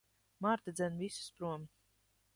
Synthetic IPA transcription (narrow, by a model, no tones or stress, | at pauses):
maːɾt̪ad̪zʲɛnvisu̥spɾuɔm